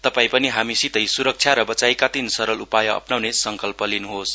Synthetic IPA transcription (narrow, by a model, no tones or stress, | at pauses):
t̪ʌpaĩpʌniɦamisit̪ʌjsuɾʌk̚t͡sʰjaɾʌbʌt͡sajkat̪insʌɾʌlupajʌʌ̰pnawnesʌŋkʌlpʌlinuɦos